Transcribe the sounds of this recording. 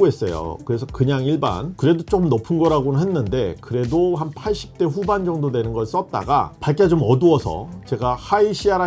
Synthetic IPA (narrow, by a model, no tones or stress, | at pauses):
ɦe̞s͈ʌ̰jo̰kɯɾe̞sʰʌkɯɲaŋiɭba̰nkɯɾe̞dot͡ɕ͈omnopʰɯnɡʌɾaɡonɯnɦenːɯnde̞kɯɾe̞doɦanpʰaɭɕ͈i̥p̚t͈e̞ɸuband͡ʑʌŋdodwe̞nɯnɡʌɭs͈ʌt̚t͈a̰ɡa̰paɭk͈ed͡ʑomʌduʌsʰʌ̰t͡ɕe̞ɡahaiɕ͈ʰiaɾa